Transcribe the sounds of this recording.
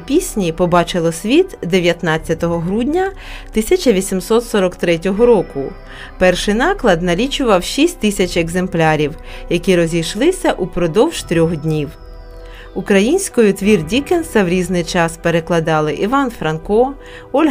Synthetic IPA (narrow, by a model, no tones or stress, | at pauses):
pʲisʲnʲipɔbɑt͡ʃɪlˠɔsʲʋʲit̪d̪eʋʲjɐt̪nɑt͡sʲːɐt̪ɔɦɔɦɾudʲnʲɐ | t̪ɪsʲɐt͡ʃɐʋʲisʲimsɔt̪sɔɾɔkt̪ɾɛt̬ʲɔɦɔɾɔkʊ | pɛrʃɪjnɑklˠɐd̪nɐlʲit͡ʃʊʋɐwʃisʲtʲt̪ɪsʲɐt͡ʃɛɡze̞mplʲɑɾʲiw | jɐkʲiɾɔzʲijʃlˠɪsʲɐʔupɾɔd̪ɔwʒ̥t̪ɾʲɔxdʲnʲiw | ukɾɐjinʲsʲkɔjʊt̪ʋʲirdʲikensɐwɾʲiznɪjt͡ʃɑspeɾeklˠɐd̪ɑlˠɪʔiʋɑnfɾɐnkɔ | ɔlʲɦ